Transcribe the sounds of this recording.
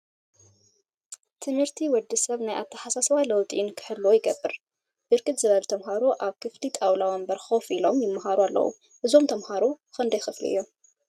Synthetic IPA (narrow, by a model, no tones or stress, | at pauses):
t̪ʰɨnhɨɾt̪ʰiwɔd̪ːɨsɐβnajʔa̰t̪ʰːɐħasasɐwajlɐwt̪ʼinkʰɨ̥ħɨlːojɪɡɐbːɨɾ | d̪̥ɨɾkʼɨt̪zɨβɐlt̪ʰɐmɦaɾuʔaβkʰɨflit̪ʼawlawɐmbɐɾxofilo̞mjɪmːaɦaɾualːɐ̰wṵ | ʔɨzo̞mt̪ʰɐmhaɾu | kɨnd̪ɐjxɨflḭɨjːo̞m